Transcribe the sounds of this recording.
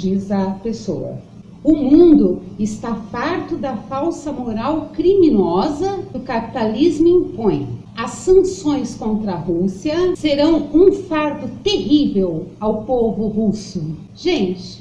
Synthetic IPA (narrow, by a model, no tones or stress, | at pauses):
d͡ʒizɐpeso̰wɐ̰ | ʊmũnd̪ʊɪst̪afaɾt̪ʊd̪ɐfawsɐmoɾawkɾimĩnɔzɐʊkapi̥t̪alizmʊĩpõj̃ | ɐsːɐ̃sõj̃skõnt̪ɾɐɦusiɐseɾɐ̃w̃ũfaɾt̪ʊt̪eɦivewawpovʊɦusʊ | ʒẽnt͡ʃɪ̥